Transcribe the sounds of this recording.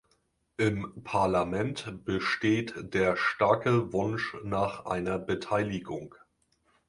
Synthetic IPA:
ʔɪmpʰaɐlamɛntb̥əʃteːtd̥eːɐʃtaɐkəvʊnʃnaːχʔa̰ɪnɐbətʰaɪlɪɡʊŋ

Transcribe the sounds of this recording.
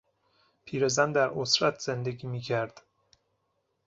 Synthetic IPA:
pʰiːɾezænd̪æɾosɾæt̪ʰz̥end̪e̞ɡiːmiːcʰæɾd̪̥

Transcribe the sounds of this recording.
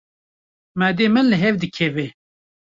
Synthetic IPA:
mæd̪eːmɨnlɨɦɛvd̪ɨkʰɛve

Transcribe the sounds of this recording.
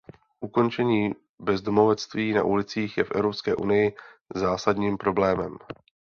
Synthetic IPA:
ʔuko̞nt͡ʃɛɲiː | bɛzdomo̞vɛt͡st̪viːna̰ʔulɪt͡siːxjɛfʔɛ̰vɾopskɛːʔunɪjɪzaːsadɲiːmpɾo̞blɛːmɛm

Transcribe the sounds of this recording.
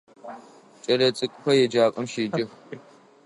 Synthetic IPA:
t͡ʃʼɐɾɐt͡sʼɨkʷʼɸʷɐjɛd͡ʒaːkʼɨmʃiːd͡ʒʼɪx

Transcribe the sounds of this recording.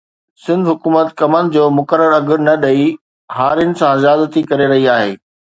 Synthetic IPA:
sɪ̃nd̪ɦʊkuːmət̪kɐmənɪ̆d͡ʑoːmʊkəɾəɾɐɡɪɾnɐɗɐi | ɦaːɾijənɪ̆sãɪzjaːd̪ət̪ikɐɾeɾɐɦiaːɦeː

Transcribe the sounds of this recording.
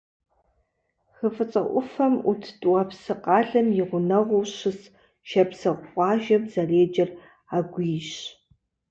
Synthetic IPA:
xəfɨt͡sʼɐ̰ʔʷʊfɐmutʰtʼwɐpsɨqɑːɮɐmjɪʁʷʊnɐʁʷʊwɕɨs | ʃɐpsɐʁʷʊχʷʼɑːʒɐmzɐreːd͡ʒɐr | aːɡʷʊjɪɕ

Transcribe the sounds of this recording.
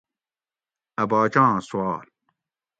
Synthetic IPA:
ɐbaːt͡ɕãːsuwaːl

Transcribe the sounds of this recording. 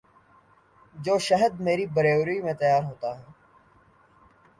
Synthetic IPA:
d͡ʒoːʃəɦəd̪̚meːɾiːbəɾeːʋɾiːmẽːt̪əjaːɾɦoːt̪aːɦɛː

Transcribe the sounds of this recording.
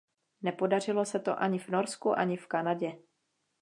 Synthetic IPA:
nɛpo̞dar̝ɪlo̞sɛt̪o̞̰ʔaɲɪvno̞ɾskuʔaɲɪfkanaɟɛ

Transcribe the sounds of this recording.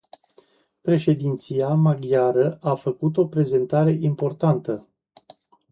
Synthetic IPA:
pɾe̞ʃe̞d̪int̪siamaɡjaɾəafəkut̪̬o̞pɾe̞ze̞nt̪aɾe̞ʔimpo̞rt̪ant̪ə

